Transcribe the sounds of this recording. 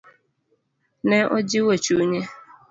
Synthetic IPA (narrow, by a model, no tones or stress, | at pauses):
neʔod͡ʒiwot͡ʃuɲe